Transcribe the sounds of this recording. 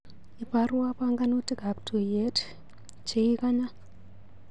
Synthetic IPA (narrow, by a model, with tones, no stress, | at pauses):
i˨paru˦wapaŋɡano˦ti˦ɡʱa˨ptʰu˨je˦t | t͡ʃe˦i˦ka˦ɲa˦